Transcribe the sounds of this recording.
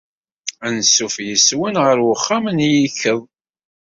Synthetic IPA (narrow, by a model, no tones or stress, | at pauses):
ænsːufjəswənʁəɾwəχːamənjiçəðˤ